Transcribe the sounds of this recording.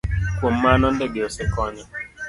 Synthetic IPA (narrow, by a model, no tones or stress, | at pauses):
kwɔmanɔndɛɡeɔsɛkɔɲɔ